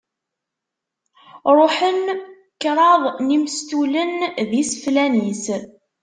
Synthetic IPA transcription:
ɾˤoħən | kːɾˤɑðˤnimst̪ulənðisflænis

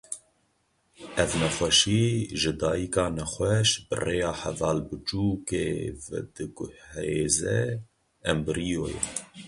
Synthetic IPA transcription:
ʔɛvnɛxʷɛʃiːʒɨd̪ɑːjikɑːnɛxʷɛʃbɨ̰reːjɑːħɛ̰vɑːlbɨt͡ʃuːkevɛ̰d̪ɨɡʊheːzɛ | ɛmbɨɾijoːjɛ̰

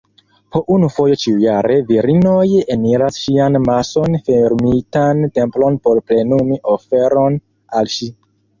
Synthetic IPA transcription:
pʰo̞ʔunufo̞jo̞t͡ʃiujaɾe̞viɾinojeniɾasʃianmaso̞nfeɾmitante̞mplo̞npo̞ɾplenumiʔofe̞ɾo̞n | alʃi

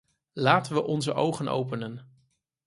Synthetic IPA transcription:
laːtənʋəʔɔnzəʔowχəno̰wpənən

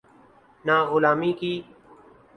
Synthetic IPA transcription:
naːɣʊlaːmiːkiː

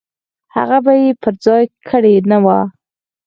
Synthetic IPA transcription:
ha̰ɣabajepəɾd͡zɑjkʰəɽenawa

